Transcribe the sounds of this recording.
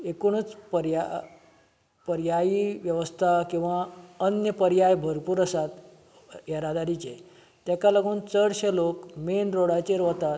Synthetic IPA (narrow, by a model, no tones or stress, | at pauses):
ekuɳ̃ət͡spəɾja | pəɾjajiʋjəʋəst̪ʰakĩw̃ʋaənjəpəɾjajbʱəɾpuːɾəsat̪ | jeɾad̪aɾit͡ɕḛ | t̪jakalaɡuːnt͡səɽɕelokmenɾoɽat͡ɕeɾoɦt̪at̪